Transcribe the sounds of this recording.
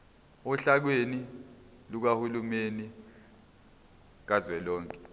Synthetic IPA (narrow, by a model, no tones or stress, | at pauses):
uɬak̬weni | luk̬ahulumeni | k̬azwɛlɔːŋkʼɛ̥